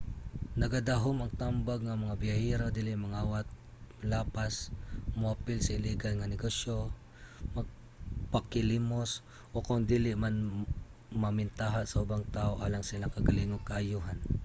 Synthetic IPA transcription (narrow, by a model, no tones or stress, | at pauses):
nɐɡad̪aɦomɐŋt̪ambaɡ̚ŋɐmɐŋabɪahiɾod̪iːlɪʔmɐŋaːwat̪̚ | mlaːpasmopɪlsɐɪliːɡalŋɐnɪɡosjo | mɐɡ̚ | pakɪlimos | ʔokʊŋd̪iːlɪʔman | mɐmɪnt̪aɦasɐʔʊbaŋt̪aːʔoʔaːlaŋsɪlaŋkɐɡɐlɪŋokaʔːjuːɦan